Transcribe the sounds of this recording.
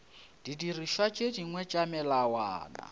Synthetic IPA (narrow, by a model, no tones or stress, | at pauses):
d̥idiriʃwat͡ʃʼediŋwɛt͡ʃʼamɛlawaːna̰